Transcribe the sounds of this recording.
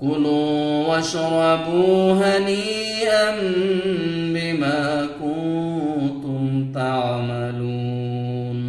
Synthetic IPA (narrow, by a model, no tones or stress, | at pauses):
kʊluːwaʃɾˤɑbuːɦani | ʔan | bɪmaːku | t̪ʊmt̪aʕmaluː | n